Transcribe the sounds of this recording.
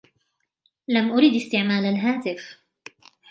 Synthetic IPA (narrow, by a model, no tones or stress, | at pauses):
lamʔʊɾiːd̪ɪst̪ɪʕmaːlalɦaːt̪ɪf